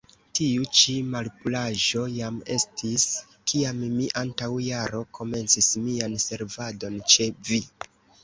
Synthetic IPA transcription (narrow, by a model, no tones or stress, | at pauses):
tiut͡ʃimalpulaʒo̞jame̞̰stis | kiammiʔantawjaɾo̞kʰo̞me̞nt͡sismianse̞ɾvado̞nt͡ʃe̞vi